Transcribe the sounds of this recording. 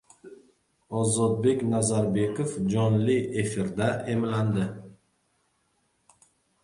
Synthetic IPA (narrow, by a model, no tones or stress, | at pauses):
ɒzɒt̪̚be̞kʲnazaɾbe̞kofd͡ʒɒnlɪe̞fɪɾd̪aʔe̞mland̪ɪ